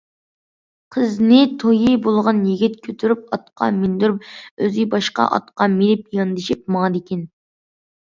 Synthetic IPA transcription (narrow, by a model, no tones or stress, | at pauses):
qʰəznɪt̪ʰojibolˠʁɑnjiɡʲit̪kʲʰøt̪ʰyɾyp̚ɑt̪̚qɑ̰mind̪yɾypøzɪbɑʃqɑ̰ʔɑ̰t̪qɑmilɪpjɑnd̪ɪʃip̚mɑd̪ɪkʲʰɛn